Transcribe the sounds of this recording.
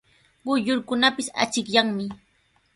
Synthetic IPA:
ɢʊʎʊɾkʊnapɪsa̰t͡ʃɪkʎaŋmɪ

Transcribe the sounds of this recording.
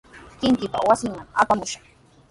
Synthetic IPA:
kɪŋkɪpa̰wasɪŋmaŋa̰pamʊʃɑ̥χ

